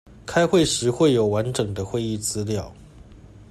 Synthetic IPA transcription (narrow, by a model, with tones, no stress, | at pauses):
kʰa˥ɪxwe˥˩ɪʂɻ̩˧˥xwe˥˩ɪjo˨˩ʊwa˧˥nʈ͡ʂɤ˨˩ŋd̪ə˦xwe˥˧ɪi˥˩t͡sɹ̩˥ljɑ˥˩ʊ